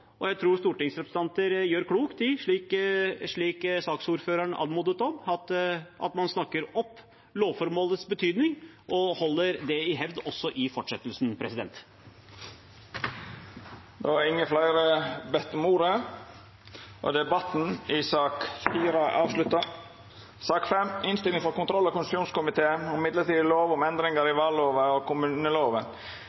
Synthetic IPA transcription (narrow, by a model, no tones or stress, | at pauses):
ɔjæɪt̪ʰɾuːst̪uːʈɪŋsɾɛpɾsə̥nt̪ʰɑnt̪əɾjøːɾkʰɽuːkt̪ɪʂɭiːkʂɭiːksɑːksuːɾføːɾəɳɑ̰ːd̪muːd̪ət̪ɔmɑt̪ʔɑ̰t̪mɑnsnɑkːəɾɔpː | loːʋfɔɾmoːlət̪sbət̪ʰyːd̪nɪŋ | ʔɔhɔlːəɾd̪ɛɪɦɛʋd̪ɔsːɔʔɪfɔʈʂɛt̪ːəlsnpʰɾɛsɪd̪ɛ̰nt̪ | d̪oæɾɪŋːəflɑɪɾəbɛt̪ːəmuːɾə | ʔɔ̰d̪ɛbɑt̪n̩ɪsɑːkfiːɾəʔɑːʋʂlʉt̪ɑ | sɑːkfɛmɪnst̪ɪlɪŋfɔɾkʊnt̪ɾɔlːɑkʊnsuːnskʊmɪt̪ʰeːənɪmɪd̪ləʈ̪iːd̪loːʋɔmɛnd̪ɾɪŋəɾɪʋɑlːoːʋəɔkʊmʉːnəloːʋə